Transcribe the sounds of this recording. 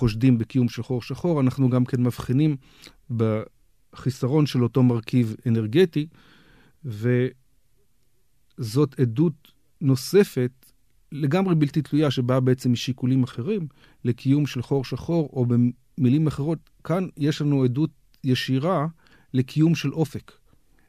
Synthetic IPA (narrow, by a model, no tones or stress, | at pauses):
χo̞ʃdimbekijumʃelχo̞ʁʃaχo̞ʁanaχnuɡamkenmavχinim | be | χisaʁo̞nʃe̞lo̞to̞maʁkivene̞ʁɡe̞ti | ve̞ | zo̞tedut | no̞se̞fe̞t | le̞ɡamʁebiltitlujaʃe̞babeet͡semiʃikulimaχe̞ʁim | lekʰijumʃe̞lχo̞ʁʃaχo̞ʁo̞be | milimaχe̞ʁo̞t | kanjeʃlanuedut̚ | jeʃiʁa | le̞kʰijumʃe̞lʔo̞fe̞k